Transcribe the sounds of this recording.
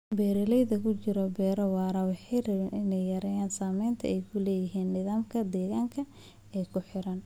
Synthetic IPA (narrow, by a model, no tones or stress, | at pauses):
bɛːɾɪlɛjðɐkʰʊt͡ʃɪɾɔbɛːɾɐwɑːɾɐwɑħiɾɐβɪnɪnɛjːɐɾɛjaːnsaːmɛjnt̪ʰɐ̰ɛjkʰʊlɛːjɪɦiːnːɪðaːmkʰɐd̪ɛːɣaːŋkʰɐ | ɛːkʰʊħɪɾɐn